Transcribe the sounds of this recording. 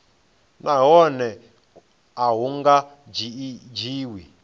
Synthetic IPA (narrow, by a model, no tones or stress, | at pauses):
naɦɔnɛ | aɦuŋɡa | d͡ʒd͡ʒiːwi